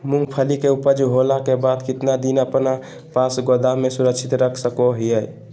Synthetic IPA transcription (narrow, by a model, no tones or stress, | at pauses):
muŋɡpʰəlikeupəd͡ʒɦolakebad̪kɪt̪nad̪inəpna | pasɡod̪amesuɾəkt͡ʃʰit̪ɾəkʰsəkoɦiɛj